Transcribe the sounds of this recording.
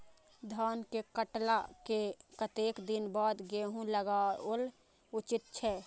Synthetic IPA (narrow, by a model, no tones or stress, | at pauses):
d̪ʱaːnkekəʈlakekət̪eːkd̪ɪnbaːd̪ɡeɦũləɡaol | ʊt͡ʃɪt̪̚t͡ʃʰɛː